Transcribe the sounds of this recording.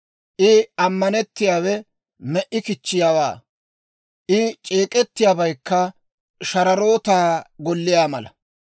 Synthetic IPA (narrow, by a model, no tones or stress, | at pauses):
ʔɪɐmːɐnɛt̪ːɪjaːwɛ | mɛʔɪkɪt͡ʃːɪjaːwa̰ː | ʔɪt͡ʃʼeːkʼɛt̪ːɪjaːbɐjkːɐ | ʃɐɾɐɾo̞ːt̪aːɡɔlːɪjaːmɐlɐ̰